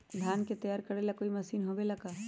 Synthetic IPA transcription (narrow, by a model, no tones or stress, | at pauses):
d̪ʱjaːnket̪ɐjaːɾkɐɾelɐkoimɐsiːnɦobelɐkaː